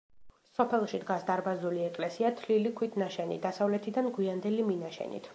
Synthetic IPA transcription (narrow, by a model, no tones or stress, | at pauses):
sɔpʰɛlˠʃid̪ɡasd̪aɾbazuliɛkʼlɛsiat̪ʰlilikʰwit̪ʰʼnaʃɛnḭd̪asavlɛt̪ʰid̪anɡwiand̪ɛliminaʃɛ̰nḭt̪ʰ